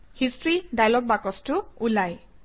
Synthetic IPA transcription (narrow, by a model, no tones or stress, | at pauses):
histɹidajlɔk̚bakɔstʊulaj